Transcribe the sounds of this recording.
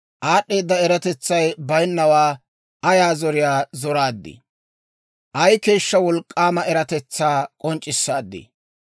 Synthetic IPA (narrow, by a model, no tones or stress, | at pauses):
ʔaːɗːe̞ːd̪ːɐɛɾɐt̪ɛt͡sːɐjbɐjnːɐwaː | ʔɐjaːzɔɾɪjaːzɔɾaːd̪ːɪ̰ | ʔɐjke̞ːʃːɐwɔlkʼːaːmɐʔɛɾɐt̪ɛt͡sːaːkʼɔnt͡ʃʼːɪsːaːd̪ːɪ̰ː